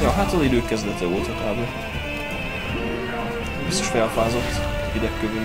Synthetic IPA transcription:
ɛːɦaːt̪olid̪øːkkːɛzd̪ɛt̪ɛoːt̪ɒk̪aːbo | bist̪ːoʃfɛlfaːzot̪ː | vid̪ɛkːøvy

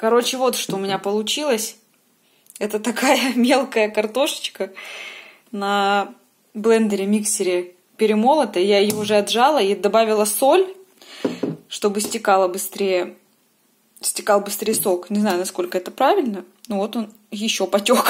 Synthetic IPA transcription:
kɐɾo̞t͡ɕɪvo̞t̪ʂt̪oʊmʲɪnʲapəlˠʊt͡ɕilˠəsʲ | ɛt̪ət̪ɐkajəmʲe̞lˠkəjəkɐrt̪o̞ʂə̥t͡ɕkə | nɐ | blˠɛnd̪əɾʲɪmʲiksʲtʲɪɾʲɪ | pʲɪɾʲɪmo̞lˠət̪əɪjaɪjoʊʐɛɐd̪ʐalˠəid̪ɐbavʲɪlˠəso̞lʲ | ʂt̪o̞bɨsʲtʲɪkalˠəbɨst̪ɾʲejə | sʲtʲɪkɑlˠbɨst̪ɾʲejsoknʲɪznajʊnɐsko̞lʲkəɛt̪əpɾavʲɪlʲnənuvo̞t̪o̞n | jɪɕːo̞pɐtʲok

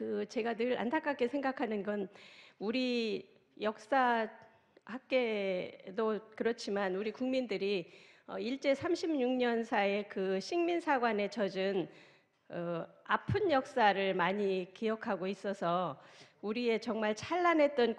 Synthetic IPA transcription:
kɯt͡ɕe̞ɡadɯɾa̰ntʰak͈ak̚k͈esʰeŋɡakʰanɯnɡʌnuɾi | jʌk̚s͈a | hak͈e̞dokɯɾʌt͡ɕʰimanuɾikuŋmindɯɾiʌ̰iɭt͡ɕ͈e̞sʰamɕʰimɲuŋɲʌnsʰae̞kɯɕʰiŋminsʰaɡwane̞t͡ɕʌd͡ʑɯn | ʌapʰɯnjʌk̚s͈aɾɯɭmaɲikijʌkʰaɡois͈ʌsʰʌ | uɾie̞t͡ɕʌŋmaɭt͡ɕʰaɭːanɦe̞t̚t͈ʌn

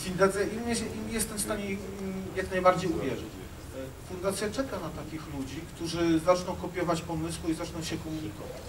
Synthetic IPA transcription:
fʲind̪at̪sʲjɛʔimɛɕɛʔimjɛst̪ɛmfst̪aɲɛjaknajbaɾd͡ʑejuvʲjɛʐɘ̰t͡ɕ | fund̪at̪sʲjat͡ʂɛkanat̪akʲixlud͡ʑikt̪uʐɘzat͡ʂnɔ̃w̃kɔpʲjɔvat͡ɕpɔmɘswuizat͡ʂnɔ̃w̃ɕɛkɔmuɲikɔ̰vat͡ɕ

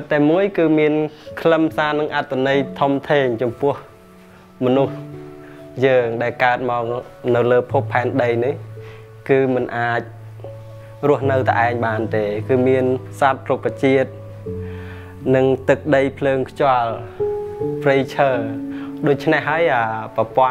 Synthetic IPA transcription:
t̪t̪ːaːmuəjkɨːmiənkʰləmʰsaːnɨŋʔat̪ʰːanəjt̪ʰomt̪ʰeːŋt͡ɕɑmpʊ̆əh | mɔnuh | jəːŋɗaɛlkaət̪̚maɔk̚nɨwləːpʰupʰːaɛnɗəjnih | kɨːmɨnʔaːc̚ | rʊ̆əhnɨwt̪ʰaʔaɛŋɓaːnt̪eːkɨːmiənsat̪̚rukːat͡ɕiət̪̚ | nɨŋt̪ɨk̚ɗəjpʰləːŋkʰt͡ɕŏəl | prijt͡ɕʰəːɗoːc̚t͡ɕʰnehɦaəjʔaːpɑpŏə

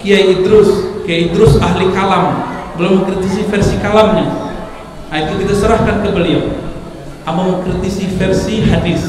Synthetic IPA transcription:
kijajid̪ɾʊskiaid̪ɾʊsaɦlikalambəlʊməŋkɾit̪isifɛrsikalamɲa | ait̪ukit̪asəɾahkankəbəlia | ambaməŋkɾit̪isifɛrsiɦadɪθ

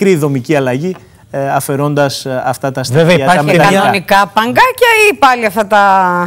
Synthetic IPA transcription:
kɾiðo̞miciɐlɐʝi | ɐfe̞ɾo̞nd̪ɐsɐ̰ft̪ɐt̪ɐsvevɐt̪ɐmɐnonikɐpɐŋɡɐcɐipɐliɐft̪ɐt̪ɐ

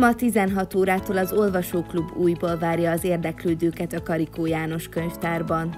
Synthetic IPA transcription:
mɒt̪izɛnɦɒt̪oːɾaːt̪oːlɒzo̞lvɒʃoːklubːuːjboːlvaːrjɒːzeːrd̪ɛkløːd̪øːkɛt̪ɒkɒɾikoːjaːno̞ʃkøɲft̪aːrbɒn

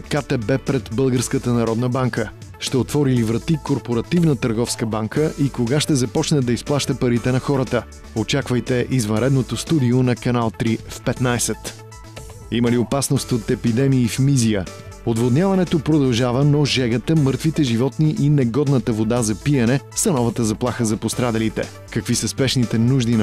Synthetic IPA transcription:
kat̪ɛbɛpɾɛt̪bɤlˠɡəɾskət̪ənɐɾɔd̪nəbaŋkə | ʃt̪ɛot̪vɔɾilivɾɐt̪ikoɾpoɾɐt̪ivnət̪əɾɡɔfskəbaŋkəʔikoɡaʃt̪ɛzɐpɔt͡ʃnɛd̪ɐisplˠaʃt̪əpɐɾit̪ɛnɐxɔɾət̪ə | ot͡ʃakvəjt̪ɛʔizvɐ̃nɾɛd̪not̪ost̪ud̪ionɐkɐnalˠt̪ɾifpɛt̪najsɛt̪ | iməliopasnost̪ot̪ɛpid̪ɛmiːfmizijə | od̪vod̪nʲjavɐnɛt̪opɾod̪ɐlˠʒavənoʒɛɡət̪əmɤɾt̪vit̪ɛʒivɔt̪niʔinɛɡɔd̪nət̪əvod̪azɐpiɐnɛsɐnɔvət̪əzɐplˠaxəzɐpost̪ɾad̪ɐlit̪ɛ̰ | kɐkvisəspɛʃnit̪ɛnuʒd̪in

